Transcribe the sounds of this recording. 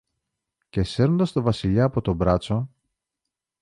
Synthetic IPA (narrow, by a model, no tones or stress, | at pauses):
ce̞se̞ɾond̪ɐst̪o̞vɐsiʎɐːpo̞t̪o̞bɾɐt͡so̞